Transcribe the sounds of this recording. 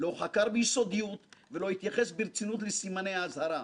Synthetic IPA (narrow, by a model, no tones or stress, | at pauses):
lo̞χakaɾbeiso̞d̪ijut̪velo̞hit̪jaχe̞sbiɾt͡sinut̪lesimanejaːzhaɾa